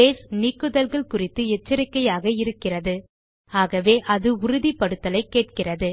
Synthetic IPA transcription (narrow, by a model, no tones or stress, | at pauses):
eːsniːkːɯðɐlɣɐɭkʊrɪt̪ːɯɛt͡ʃːɐɾɪkːɐjaːɣɐɪɾɯkːɪrɐðɯ | aːɣɐʋeːʔɐðɯʊɾʊðipːɐɽɯt̪ːɐlɐɪkːeːʈ̚kɪrɐðɯ